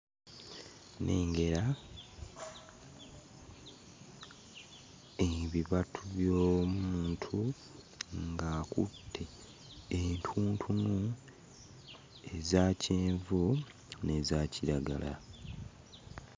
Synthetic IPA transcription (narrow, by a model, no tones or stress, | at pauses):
nʔe̞ːŋɡe̞ɾa | eβiβatʰuβjoːmumuːntʰu | ŋɡakṵtʰːe | entʰuːntʰunu | e̞zaːcʰeːɱvu | ne̞zaːcʰiɾaɡa̰la̰